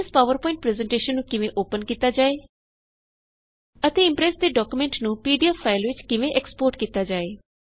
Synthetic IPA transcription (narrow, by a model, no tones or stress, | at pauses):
spaːʋəɾpɔːɪ̃ɳʈ̚pɾɛːzɛɳʈeːʃənːũːkɪʋẽʔoːpənkiːt̪aːd͡ʒaːeː | ət̪eːɪ̃mpɾɛːsd̪eːɖɔːkumẽːɳʈnũːpiːɖijaːpʰaːɪlʋɪt͡ʃkɪʋẽʔɛkspoːɾʈkiːt̪aːd͡ʒaːeː